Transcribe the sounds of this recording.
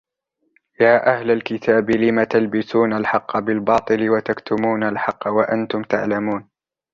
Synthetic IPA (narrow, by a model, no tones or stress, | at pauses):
jaːʔahlalkɪt̪ʰaːbɪlɪmat̪albɪsuːnalħɑqːɑbɪlbɑːt̪ˤɨlɪwat̪akt̪ʊmuːnalħɑqːɑwaʔant̪ʊmt̪aʕlamuːn